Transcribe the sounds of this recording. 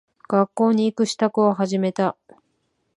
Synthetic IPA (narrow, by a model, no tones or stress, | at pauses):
ɡ̥akːo̞ːɲ̟iːkɯ̟ɕi̥t̪akɯ̟oɦaʑime̞t̪a